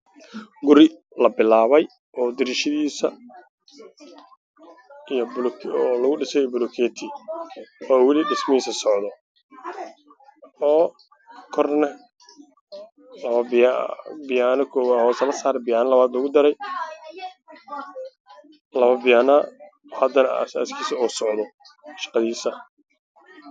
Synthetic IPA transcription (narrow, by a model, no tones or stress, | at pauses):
ɡʊɾɪ | lɐbɪlaːβɛj | ʔɔːd̪ɪɾɪʃɪðiːsɐ | ijɔblkʰɔlɐɣʊɖɪsɛjbʊlɔkʰɛːt̪ʰi | ɔːwɪlɪɖɪsmɪiːsɐsɔʕd̪ɔ | ɔː | kʰɔrnɐ | lɐβɐbbɪjaːnɐkʰɔːwahɔːsɐlɐsaːɾɛbɪjaːnɐlɐβaːd̪lɐɣʊd̪ɐɾɛj | lɐβɐbɪjaːnɐ | ɔːhɐd̪ɐnɐɐ̰sa̰ːskʰiːsɐɔːsɔʕd̪ɔ | ʃɑ̥qɑðiːsɐ